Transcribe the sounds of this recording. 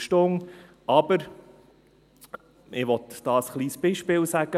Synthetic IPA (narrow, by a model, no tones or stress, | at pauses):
ʃtʊŋ | ɑbəɾ | ʔɪʋɔtd̥ɑːsχliːsb̥iːʃpɪːlsæɡ̥ə